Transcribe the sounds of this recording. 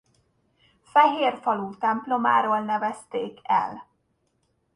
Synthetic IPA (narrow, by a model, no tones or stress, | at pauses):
fɛɦeːrfɒluːt̪ɛmplo̞ma̰ːɾoːlnɛvɛst̪eːkʰɛ̰l